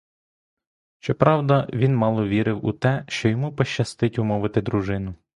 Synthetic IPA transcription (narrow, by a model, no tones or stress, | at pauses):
ʃt͡ʃɔpɾɑwd̪ɐʋʲinmɑlˠɔʋʲiɾɪwut̪ɛʃt͡ʃɔjɔmupɔʃt͡ʃɐst̪ɪtʲʊmɔʋɪt̪ɪd̪ɾʊʒɪnʊ